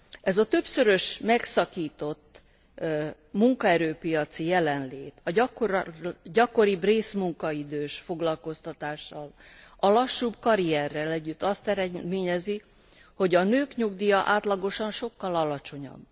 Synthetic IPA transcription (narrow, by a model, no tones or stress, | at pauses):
ɛzɒt̪ø̞psø̞ɾø̞ʃmɛksɒkiːt̪o̞t̪ː | muŋkɒɛɾøːpijɒt̪sijɛlɛnleːt̪ʰɒ | ɟɒko̞ɾibreːsmuŋkɒid̪øːʃfo̞ɡlɒlko̞st̪ɒt̪aːʃːɒlɒlɒʃːubkɒɾiɛrːɛlɛɟːyt̪ːɒst̪ɛɾɛmeːɲɛzi | ho̞ɟɒnøːkɲuɡd̪ijɒʔaːt̪lɒɡo̞ʃɒnʃo̞kːɒlɒlɒt͡ʃo̞ɲɒ̰bː